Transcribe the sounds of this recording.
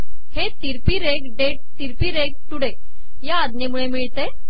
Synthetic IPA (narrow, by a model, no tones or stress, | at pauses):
het̪iɾpiɾekɖeʈ̚t̪iɾpiːɾeɡ̚ʈ̪uɽek̚ | jaːd̪nemuɭemiɭt̪e